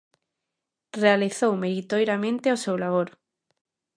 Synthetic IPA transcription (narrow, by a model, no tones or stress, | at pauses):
realiθowmeɾit̪ojɾamẽnt̪eosewlaβ̞oɾ